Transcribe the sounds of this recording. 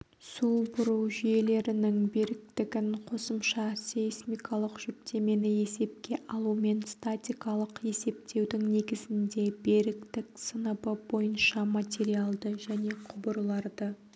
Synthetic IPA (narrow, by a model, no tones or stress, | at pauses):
subʊɾəwʒʏje̞le̞ɾɪnɪŋbeɾɪk̚t̪ɪɡʲɪnqʰo̞səmʃɑseismijkɑlˠəqʒ̥ʏpt̪ʰe̞me̞nɪe̞se̞p̚kʲe̞ʔɑlˠume̞nst̪at̪ʲijkɑlˠəqe̞se̞p̚t̪ʰe̞wd̪ɪŋne̞ɡʲɪzɪnd̪e̞be̞ɾɪkt̪ɪksənəbəbo̞jənʃɑmat̪ʲe̞ɾialˠd̪əʒæne̞qʰʊbəɾlˠɑɾd̪ə